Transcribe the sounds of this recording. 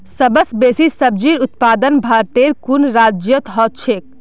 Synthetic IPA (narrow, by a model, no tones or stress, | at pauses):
səbəsbesisəb̚d͡ʒiɾut̪paːd̪ənbʱaɾt̪eɾkunɾad͡ʒjət̪ɦɔt̪̚t͡ʃʰek̚